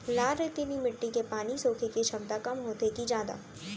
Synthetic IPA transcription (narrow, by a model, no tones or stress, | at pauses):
laːɾet̪inimɪʈːikepaːnisoːkʰekeʃʰɐmt̪akɐmɦoːt̪ek̪id͡ʒaːd̪a̰ː